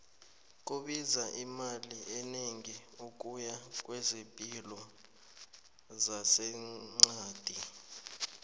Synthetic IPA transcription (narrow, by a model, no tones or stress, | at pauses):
k̬ʼuɓizaʔimaliʔɛneŋiuk̬ʼujak̬ʼwɛzempʼilɔ | zasɛŋ͡ǀaːd̥ʱi